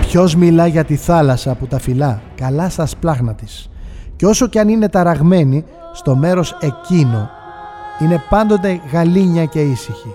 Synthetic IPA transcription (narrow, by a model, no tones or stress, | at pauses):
pço̞zmilɐʝɐt̪iθɐlɐsɐːput̪ɐfilɐkɐlɐst̪ɐsplɐɣnɐt̪is | ceo̞so̞ceɐnine̞t̪ɐɾɐɣme̞ni | st̪o̞me̞ɾo̞se̞cino̞ | ine̞pɐnd̪o̞t̪̬e̞ɣɐliɲɐce̞isiçi